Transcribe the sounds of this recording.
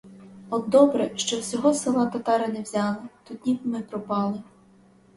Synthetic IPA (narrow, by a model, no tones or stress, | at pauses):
ɔd̪d̪ɔbɾɛʃt͡ʃɔwsʲɔɦɔsɪlˠɑt̪ɐt̪ɑɾɪnɛwzʲɑlˠɪt̪ut̪nʲibmɪpɾɔpɑlˠɪ